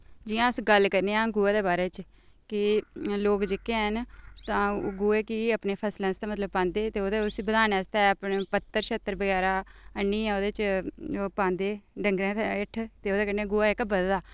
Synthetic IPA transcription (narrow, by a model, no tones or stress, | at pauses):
d͡ʒijãːəsɡəlkəɾneːãːɡuːeːd̪eːbaːɾeːt͡ʃ | kɪloːkd͡ʒɪkeɦənt̪ãːɡuːeːkiəpneːpʰəslɛ̃ːst̪aːmət̪ləbpãːnd̪eːt̪eːoːd̪eʊsiːbəd̪aːnɛːst̪ɛːəpnpət̪ːəɾʃət̪ːəɾbəɡɛːɾaːənːiːɛ̃ːoːd̪eːt͡ʃd͡ʒoːpãːnd̪eːɖəŋɡɾẽːt̪ɪʈʰt̪eːoːd̪eːkəɾneːɡuːaːɪkbəd̪daː